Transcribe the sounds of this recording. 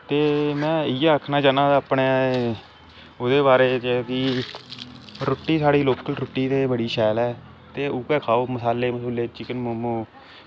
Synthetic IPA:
t̪eːmɛ̃ːɪjaːəkʰnãːd͡ʒaːnãːd̪pɳeː | oːd̪eːbaːɾeːt͡ʃək̪iː | ɾʊʈːiːsaːɽiːloːkəlɾʊʈːiːt̪eːbəɽiːʃɛːlɛː | t̪eːʊkɛːkʰaːoːməsaːleːməsuːleːt͡ʃɪkənmʊmoː

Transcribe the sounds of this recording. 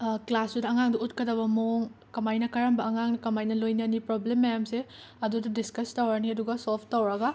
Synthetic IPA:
klasudɐɐŋaŋdɐutkɐdɐbɐmoŋkɐmajnɐkɐɾɐmbɐːŋaŋnɐkɐmajnɐlojnɐnipɾoblemːɐjamse | ɐdudɐdiskɐstɐwaɾniɐduɡɐsolpʰtɐwɾɐɡɐ

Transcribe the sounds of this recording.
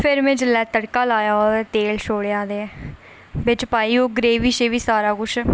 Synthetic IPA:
pʰɪɾmẽːd͡ʒəlɛːt̪əɽkaːlaːjaːoːd̪ɛːt̪eːlʃoːɽeãːd̪eːɛː | bɪt͡ʃpaːiːoːɡɾeːʋiːʃeːʋiːsaːɾaːkʊt͡ʃʰ

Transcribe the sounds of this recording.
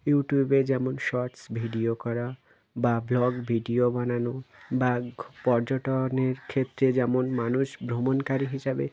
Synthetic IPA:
juʈjubed͡ʑɛmonʃɔɾʈsbʱiɖiokɔɾa | bablɔɡbʱiɖiobananobapɔɾd͡ʑoʈoneɾkʰet̪ːɾed͡ʑɛmonmanuʃbɾomonkaɾiɦiʃabḛ

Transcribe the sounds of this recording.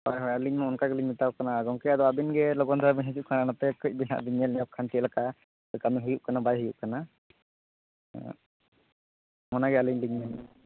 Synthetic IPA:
aɛɦɔaliɲmɔɔnkaɡɛliɲmit̪akanaɡɔŋkɛad̪ɔabinɡɛlɔɡɔnd̪ɔabiɲɦid͡ʒuʔ̚kananapɛkɯc̚ˀbina̰ʔbiɲɛlnɛjɔkʰant̪iəlaka | ɔjkamiɦujuʔ̚kanabajɦujuʔ̚kana | mɔnaɡɛaliɲliɲmɛn

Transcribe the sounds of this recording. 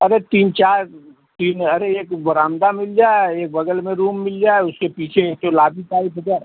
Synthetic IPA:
ɐɾet̪iːnt͡ʃaːɾ | t̪iːnɐɾeeːkbɐɾaːmd̪amɪld͡ʒaːeeːk̚bɐɡəlmẽɾuːmːɪld͡ʒaːeʊskepiːt͡ʃʰeek̚t̪olaːbʱik̪aːit̪ʰoɡ̪a

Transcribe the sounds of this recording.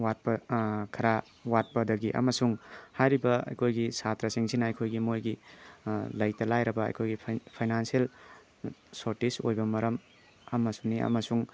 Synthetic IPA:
wat̚pɐkʰɐɾa | wat̚pɐdɐɡiʔɐ̰mɐsuŋhajɾibɐɐ̰jkʰojɡisat̪ɾɐsiŋsinɐɐjkʰojɡimojɡi | lɐjtɐlajɾɐbɐ̰ːjkʰojɡipʰpʰajnansiel | soɾtiso̰jbɐmɐɾɐm | ɐmːɐsuniɐ̰mɐsuŋ

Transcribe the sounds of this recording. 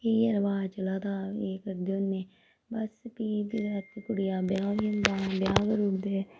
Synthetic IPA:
eiəɾʋaːt͡ʃəlaːt̪aːeːkəɾd̪eonːeː | bəspiːbiət̪ːikʊɽɪjaːbjaːnd̪aːbjaːɡəɾud̪eː

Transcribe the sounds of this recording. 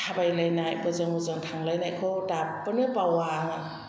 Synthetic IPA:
tʰabajlajnajbɯzɯŋuzɯŋtʰaŋlajnajkʰɯdapːɯnɯpawaŋa

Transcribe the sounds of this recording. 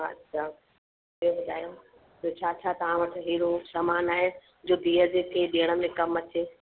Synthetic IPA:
ɐ̰tːɕʰaː | ebɐd͡ʑaːjõː | d͡ʑoːt͡ɕʰaːt͡ɕʰat̪ɐɦãʋɐʈ̆ʰɦiːɾosaːmaːnaːɦe | d͡ʑoːd̪iːɦəd͡ʑekʰeːɗeːəɽ̃ə̆mẽkɐmɐt͡ɕeː

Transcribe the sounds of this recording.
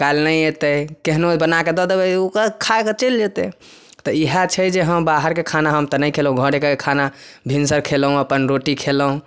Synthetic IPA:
kalnəjet̪əkeɦnobənaked̪ɔd̪ebɛokekʰaket͡ʃeld͡ʒet̪ɛ | t̪ɔiɦat͡ʃʰəd͡ʒeɦəmbaɦəɾkekʰanaɦəmt̪ənəjkʰelũɡʱəɽekekekʰanabʱinsəɾkʰelɦũəpənɾoʈikʰeləɦũ

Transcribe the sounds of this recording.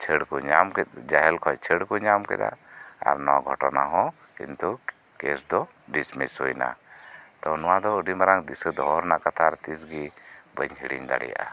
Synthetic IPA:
t͡ʃʰəɽkɔɲamkɛt̪̚d͡ʒaɦɛlkʰɔjt͡ʃʰəɽkɔɲamkɛ̰d̪a̰a̰ɾnɔaɡʱɔʈɔnaɦɔ̃ | kḭnt̪u | kɛsd̪ɔ | ɖismishujna̰t̪ɔwnɔwad̪ɔəɖimaɾaŋd̪isəd̪ɔɔɾnaʔkat̪ʰaɾt̪is̬ɡibəɲɦiɽḭɲd̪a̰ɽɛ̰ja̰ʔa

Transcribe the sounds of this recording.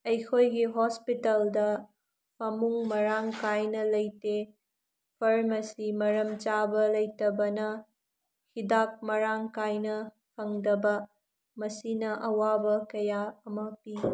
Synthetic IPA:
ɐjkʰojɡiɦospitɐldɐ | pɐmuŋmɐɾaŋkajnɐlɐjte | pʰɐɾmɐsimɐɾɐmt͡ʃabɐlɐjtɐbɐnɐ | hidak̚mɐɾaŋkajnɐ | pʰɐŋdɐbɐ | mɐsinɐʔɐwabɐkɐjaɐmɐpi

